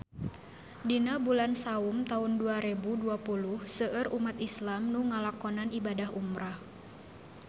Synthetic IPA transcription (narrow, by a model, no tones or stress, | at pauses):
dinabulansaumt̪aunduaɾebuduapuluhsəʔərumat̪islamnuŋalakɔnanibadaɦumɾah